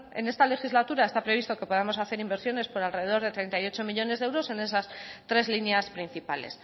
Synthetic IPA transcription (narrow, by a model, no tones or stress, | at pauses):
e̞̰ne̞st̪ale̞xizlat̪uɾaest̪apɾe̞β̞ist̪o̞ke̞po̞ð̞amo̞saθe̞ɾimbe̞ɾsjo̞ne̞spoɾalre̞ðeðo̞ɾð̞e̞t̪ɾe̞jnt̪ajo̞t͡ʃo̞miʎo̞ne̞zðeewɾo̞se̞ne̞sast̪ɾe̞zlinjaspɾin̟θipale̞̰s